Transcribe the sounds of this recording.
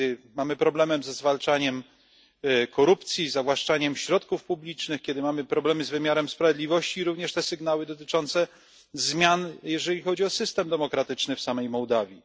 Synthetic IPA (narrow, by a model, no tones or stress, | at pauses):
ɘmamɘpɾɔblɛmɛmzɛzvalt͡ʂaɲɛm | kʰɔɾupt̪sʲjizavwaʂt͡ʂaɲɛmɕɾɔt̪kufpublʲit͡ʂnɘxkʲjɛd̪ɘmamɘpɾɔblɛmɘzvɘmʲjaɾɛmspɾavʲɛd̪lʲivɔɕt͡ɕiɾuvɲɛʂt̪ɛsɘɡn̪awɘd̪ɔt̪ɘt͡ʂɔnt̪sɛ | zmʲjanjɛʐɛlʲixɔd͡ʑiɔsɘst̪ɛmd̪ɛmɔkɾat̪ɘt͡ʂnɘfsamɛjmɔwd̪avʲi